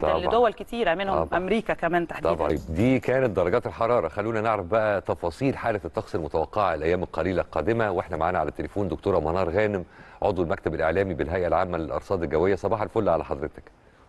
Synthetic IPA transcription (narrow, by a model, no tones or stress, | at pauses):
t̪ɑ̰bl̰ːd̪owælkɪt̪iːɾæmenhɑbmʔʔæmɾiːkækæmæːnt̪aħd̪ɑiːbɑ̰d̪iːkæːnæt̪̚d̪ɑɾˤɑɡɑːt̪elħɑɾˤɑːɾˤɑxælːuːnæneʕɾæfbæʔæt̪ɑfɑːsˤiːlħaːlæt̪ːɑxsˤelmʊt̪æwɑqːeʕaelʔæjːæːmelqɑliːlælqɑːd̪ɪmæweħnæmaʕaːnæʕalæt̪ːelefuːnd̪ok̚t̪oːɾˤæmɑnɑːɾˤɣæːnɪmʕod̪ˤwelmækt̪æbelʔeʕlæːmibɪlɦæjʔælʕa̰ːmːælelʔɑ̰ɾsˤɑːd̪elɡæwːejːæsˤɑbɑːħɑlfolːæʕalæħɑd̪ɾet̪æ̥k